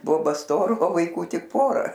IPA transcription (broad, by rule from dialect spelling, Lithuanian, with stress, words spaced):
ˈboːbɐ ˈstoːrɐ oː ʋɐɪˈkuː ˈtʲɪk ˈpoːrɐ